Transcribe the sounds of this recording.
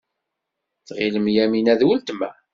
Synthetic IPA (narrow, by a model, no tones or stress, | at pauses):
θʁiləmjæminæðwəlt̪mæ̰